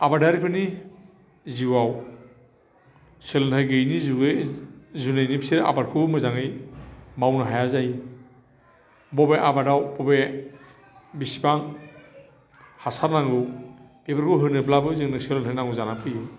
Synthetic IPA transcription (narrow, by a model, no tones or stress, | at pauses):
abadaɾipʰɯni | ziwaw | selentʰajɡɯjnizuɡ | zunajnibisiɾʔa̰baɾkʰumɯzaŋɯjmawnɯɦajazaj | bɔbeʔabadawbɔbe | bisi̥baŋ | hasaɾnaŋɡɯwbebaɾkʰɯɦɯnɯblabɯzɯŋnɯselɯntʰajnaŋɡuzanapʰɯju